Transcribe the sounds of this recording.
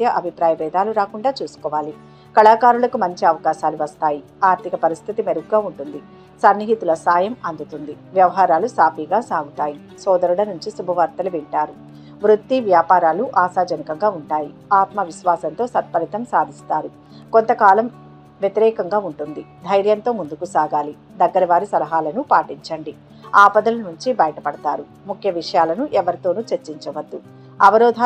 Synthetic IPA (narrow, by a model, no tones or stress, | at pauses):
t̪jɐʔɐbʱipɾaːjɐʋɛːd̪aːluɾaːkuɳɖaːt͡ʃuːsu̥kɔːʋaːli | kɐɭaːkaːɾulɐkumɐɲt͡ʃiɐʋɐkaːʃaːluʋɐst̪aːji | aːɾt̪ʰikɐpɐɾist̪ʰit̪imeɾuɡuɡaːuɳʈund̪i | sɐnːiɦit̪ulɐsaːjɐmɐnd̪ut̪und̪iʋjɐʋɐɦaːɾaːlusaːpiːɡaːsaːɡut̪aːji | sɔːd̪ɐɾuɽɐnuɲt͡ʃisubʱɐʋɐɾt̪ɐluʋiɳʈaːɾu | ʋɾut̪ːiʋjaːpaːɾaːluʔaːsaːd͡ʒɐnikɐŋɡaːuɳʈaːjiaːt̪mɐʋiʃʋaːsɐnt̪o̞ːsɐt̪̚pɐlit̪ɐmsaːd̪ʱist̪aːɾu | ko̞nt̪ɐkaːlɐm | ʋjet̪iɾɛːkɐŋɡaːuɳʈund̪id̪ʱɐjɾjɐnt̪o̞ːmund̪ukusaːɡaːli | d̪ɐɡːɐɾɐʋaːɾisɐlɐɦaːlɐnupaːʈiɲt͡ʃɐɳɖi | aːpɐd̪ɐlɐnuɲt͡ʃibɐjɐʈɐpɐɽɐt̪aːɾu | mukʰjɐʋiʂɐjaːlɐnuʔɛʋɐɾit̪oːnut͡ʃeɾt͡ʃːiɲt͡ʃɐʋɐd̪ːu | ɐʋɐɾɔːd̪ʱ